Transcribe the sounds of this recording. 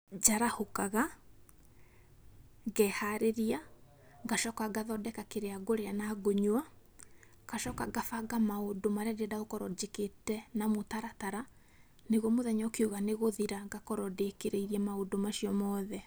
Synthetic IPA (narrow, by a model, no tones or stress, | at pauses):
d͡ʒaɾahokaɣa | ɣɛhaɾeɾia | ɡaʃɔkaɡaðɔdɛkakeɾeaɡoɾeanaɡoɲwa | kaʃɔkaɡafaɡamaodomaɾeadeɛdaɣokɔɾɔd͡ʑeketɛnamotaɾataɾa | neɣɔmoðɛɲakeuɣaneɣoðiɾaɡakɔɾɔdekeɾeiɾiɛmaodomaʃiɔmɔðɛ